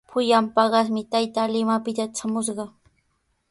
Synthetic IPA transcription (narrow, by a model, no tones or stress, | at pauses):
pʰʊjampɑɢɑsmɪt̪ajt̪alɪmapɪt̪aʈ͡ʂamʊʃɢɑ